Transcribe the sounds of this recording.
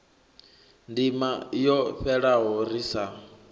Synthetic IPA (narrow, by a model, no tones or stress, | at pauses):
ndimajɔɸɛɺaɦɔɾisa